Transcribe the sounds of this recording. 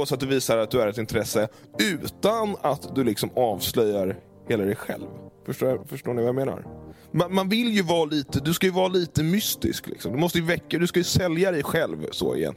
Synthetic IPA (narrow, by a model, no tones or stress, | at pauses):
sat̪̚d̪ɵviːsaɾat̪̚d̪ɵæɾɛt̪ɪnt̪ʰɾɛsːə | ʉ̟ːt̪anat̪d̪ɵlɪksɔmɑːvslœjːaɾ | heːlad̪ɛjɧɛ̰lvfœʂʈoːfœʂʈoːɳɪvajameːna̰ɾ | manmanvɪljɵvɑːliːt̪əd̪ɵskajɵvɑːliːt̪əmʏst̪ɪ̰sklɪ̰ksɔmd̪ɵmɔst̪əjɵvɛkːad̪ɵskajɵsɛljad̪ɛjɧɛlvso̰ːɪ̰jɛ̰n